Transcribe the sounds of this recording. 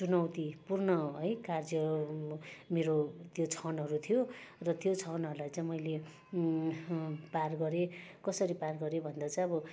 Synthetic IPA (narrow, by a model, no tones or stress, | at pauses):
t͡sunʌwt̪ipurnʌɦʌjkard͡zjʌ | meɾot̪jot͡sʰʌnɦʌɾut̪ʰijorʌt̪jot͡sʰʌnɦʌɾulajt͡sãj̃mʌjle | parɡʌɾekʌsʌɾiparɡʌɾebʱʌnd̪at͡sãj̃ʌbʌ